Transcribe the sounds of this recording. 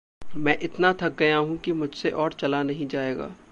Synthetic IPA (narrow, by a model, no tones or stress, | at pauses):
mɛ̃ːʔɪt̪nat̪ʰɐk̚ɡɐjaɦũkimʊd͡ʒʱseʔɔːɾt͡ʃɐlanɐɦĩd͡ʒaːeːɡa̰ː